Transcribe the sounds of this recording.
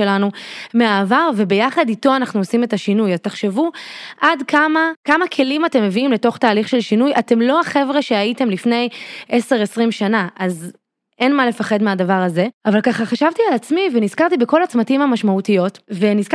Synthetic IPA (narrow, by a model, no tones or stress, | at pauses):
elanumeaːvaʁve̞be̞jaχadito̞anaχnuosime̞taʃinujataχʃe̞vuʔadkʰamakamakʰe̞limate̞mːe̞viimle̞to̞χtaːliχʃe̞lʃinujate̞mlo̞aχe̞vʁeʃe̞ajite̞mlifne̞jʔese̞ʁesʁimʃanaʔaz | ʔe̞nmale̞faχe̞dmeadavaʁaze̞avalkaχaχaʃavtialat͡smivenizkaʁt̪ibeko̞lat͡smatimhamaʃmautijo̞tve̞nizk